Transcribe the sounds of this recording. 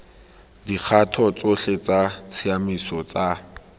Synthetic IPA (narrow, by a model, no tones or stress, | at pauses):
dik͡xʰatʰɔt͡sʼoɬet͡sat͡sʰiamisɔt͡sa